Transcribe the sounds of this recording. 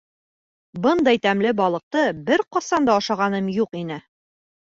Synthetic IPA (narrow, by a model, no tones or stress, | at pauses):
bɤnd̪ɑjt̪æmlɘbɒlˠɤ̆q̚t̪ɤbɘɾqɒsɑnd̪ɑːʃɑʁɑnɤmjuqinɘ